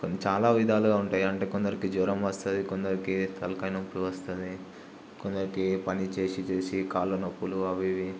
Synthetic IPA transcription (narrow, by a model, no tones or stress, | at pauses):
kt͡ʃaːlaːʋid̪ʱaːluɡaːuɳʈaːjiɐɳʈeːkond̪ɐɾikiːd͡ʒɔːɾɐmʋɐst̪ɐd̪ikond̪ɐɾikit̪ʰɐlɐkɐjnɐpːluʋɐst̪ɐnd̪i | kond̪ɐɾikipɐnit͡ʃe̞ːsit͡ʃe̞ːsikaːlunɐpːuluɐʋiʋi